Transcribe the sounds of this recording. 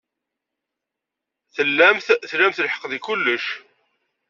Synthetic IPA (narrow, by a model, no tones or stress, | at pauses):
θəlːæmθθlæmθəlħə̥qðikʊlːəʃ